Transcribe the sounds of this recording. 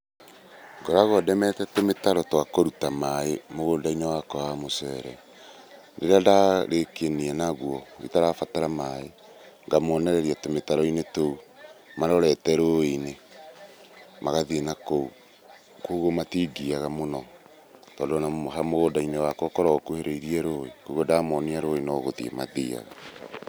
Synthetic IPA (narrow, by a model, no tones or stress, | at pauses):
ŋɡoɾaɣɔdɛmɛtɛtometaɾɔtwakoɾutamaemoɣodainewakɔwamosɛɾɛ | deɾadaɾekeniɛnaɣwɔḭtaɾafataɾamae | ŋɡamɔnɛɾɛɾiatometaɾɔinetoumaɾɔɾɛtɛɾoine | maɣaðienakou | koɣomatiɡiaɣamonɔ | tɔːndɔnahamoɣodainewakɔkɔɾɔkoheɾeiɾiɛɾoekoɣɔdamɔniaɾoenɔɣoðḭḛmaðia̰ɣa